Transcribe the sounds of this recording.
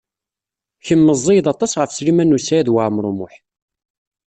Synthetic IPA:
çəmːəzˤːejðˤɑt̪ˤɑsʁəfslimænːusæjæðwaʕmɾˤomʊħ

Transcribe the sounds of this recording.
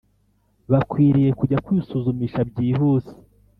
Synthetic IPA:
βakwiːɾije̞kuɟakwiisuzumiːʃabɟiːɦuːsi̥

